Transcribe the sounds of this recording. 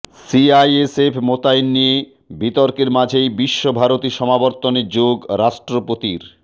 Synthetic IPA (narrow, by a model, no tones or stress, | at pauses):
siajesefʰmot̪ajnːije | bit̪ɔɾkeɾmad͡ʑʱejbiʃːobʱaɾot̪iʃɔmabɔɾt̪oneɾd͡ʑoɡɾaʃʈɾopot̪iɾ